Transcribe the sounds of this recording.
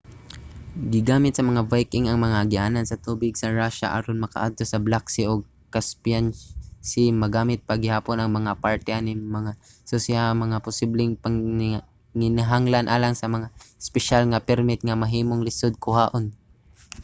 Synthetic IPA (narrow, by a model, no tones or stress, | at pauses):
ɡɪɡaːmɪt̪̚sɐmɐŋavajkɪŋɐŋmɐŋaɡɪʔaːnansɐt̪uːbɪɡsɐɹaʃa̰ʔɐ̰ɾonmɐka̰ʔa̰d̪̚t̪o̞sɐblaksɪʔoɡ̚ | kaspjansɪmɐɡaːmɪt̪̚pɐɡɪhaːponɐŋmɐŋapaɹt̪ɛʔanɪmɐŋa | sosɪamɐŋapʊsiblɛŋpɐŋ | ŋɪnaɦaŋlanʔaːlaŋsɐmɐŋaɪspɛʃalŋɐpɛɾmɪt̪̚ŋɐmɐɦiːmoŋlɪsod̪̚kʊhaːʔon